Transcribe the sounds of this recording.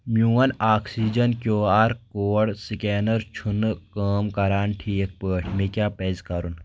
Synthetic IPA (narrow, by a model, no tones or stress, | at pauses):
mjuːɐnaːksiːd͡ʒɐnkʲjoːaːɾkoːɽsikeːnɐɾt͡ʃʰunkəːmkɐɾaːnʈʰiːk̚pəːʈʰmikʲjaːpezkɐɾun